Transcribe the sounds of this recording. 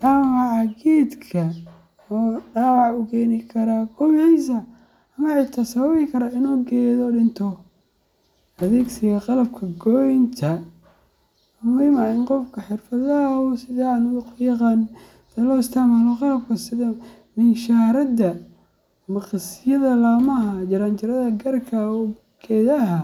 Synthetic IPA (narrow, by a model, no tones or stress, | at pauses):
daːwɑʕɑɡiːd̪kʰɐ | ɔːɖaːwɑʕʊɡɛːnɪkʰɐɾaɡɔjɛjs̬ɐ | ɐmɐʕɪt̪ʰɐsɐβɐβɪkʰɐɾɐɪnɔːɡɛːðɔɗɪnt̪ʰɔ | ʔɐðɛːɡsɪɣɐqɑlɐb̚kʰɐɡɔjɪnt̪ʰɐ | mʊmiːmɐɪnqɔfkʰɐħɪrfɐðɐɦʊsɪðanʊɣʊkʰʊjɑqɑːn | d̪̥ɐlɔɪst̪ʰɐmaːlɔqɑlɐb̚kʰɐsɪðɐ | mɪnʃaːɾɐd̪ɐ | mɐqsɪjɐðɐlaːmɐɦɐt͡ʃɐɾaːnt͡ʃɪɾɐðɐɡɐrkʰɐɔ | ɡ̥ɛːðɐɦɐ